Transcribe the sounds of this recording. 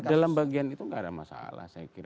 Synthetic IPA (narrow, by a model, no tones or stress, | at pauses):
dalambaɡianit̪uŋɡaːda̰masa̰la̰hsajakiɾa